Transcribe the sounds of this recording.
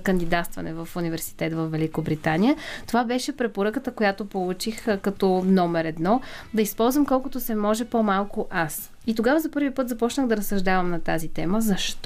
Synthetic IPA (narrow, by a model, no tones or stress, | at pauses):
kənd̪id̪at̪st̪vɐ̰nɛvəfunivɛɾsi̥t̪ɛt̪vɐfvɛlikobɾit̪anijət̪ovabɛʃɛpɾɛpoɾəkət̪əkojat̪opolˠut͡ʃixkɐt̪ɔnɔmɛɾɛd̪nɔd̪ɐispɔlˠzvəmkɔlˠkʊt̪osɛmɔʒɛpomalˠkʊʔas | it̪oɡavəzɐpɤɾvipɤt̪zɐpɔt͡ʃnəɣd̪ɐɾɐsːɐʒd̪avəmnɐt̪azit̪ɛməzɐʃt̪